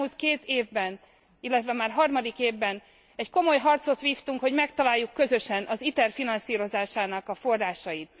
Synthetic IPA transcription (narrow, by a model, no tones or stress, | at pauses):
ult̪keːt̪eːvbɛn | ilːɛt̪ʋɛmaːrɦɒrmɒd̪ikeːvbɛn | ɛcko̞mo̞jɦɒrt̪so̞t̪ʋiːft̪uŋkho̞ɟmɛkt̪ɒlaːjːukːø̞zø̞ʃɛnʔɒzit̪ɛrfinɒnsiːɾo̞zaːʃaːnɒkɒfo̞rːaːʃɒjit̪̚